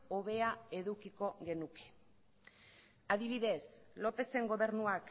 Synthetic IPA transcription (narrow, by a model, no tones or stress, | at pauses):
o̞βe̞ae̞ðukiko̞ɣe̞nuke̞̥ | aðiβ̞iðe̞slo̞pe̞se̞ŋɡo̞βe̞ɾnuak